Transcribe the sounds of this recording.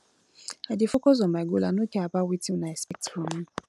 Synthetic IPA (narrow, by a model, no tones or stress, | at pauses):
adefʊkɔzɔmaɡolanõkɛabawitĩnãɛsɛk̚tɾɔnũ